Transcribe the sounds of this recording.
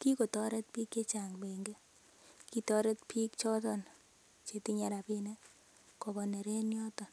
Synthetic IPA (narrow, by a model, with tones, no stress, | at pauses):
ki˦ko˨tɔ˦ɾɛ˦t̚pi˦kːe˦t͡ʃa˨ŋbe˨ŋɡe˦ | ki˦tɔ˦ɾɛ˦tpʰi˦kt͡ʃɔ˦tɔ˦n | t͡ʃe˨ti˦ɲa˦ɾa˨pe˦ne˦ | kɔ˨bɔ˨ne˨ɾe˦njɔ˦tɔ˨n